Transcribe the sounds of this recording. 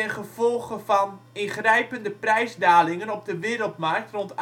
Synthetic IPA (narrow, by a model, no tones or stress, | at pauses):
ɛnχəv̥ɔlˠɣəfɔn | ɪnχrɛjpəndəprɛjzdaːlɪŋənɔp̚dəʋɪːəɾəlˠtmark̚trɔnt